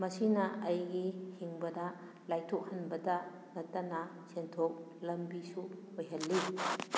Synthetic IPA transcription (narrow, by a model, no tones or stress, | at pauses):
mɐsinɐɐjɡihiŋbɐdɐ | lajtʰok̚hɐnbɐdɐ | nɐtːɐnɐ | sentʰok̚ | lɐmbisu | ojɦɐlːi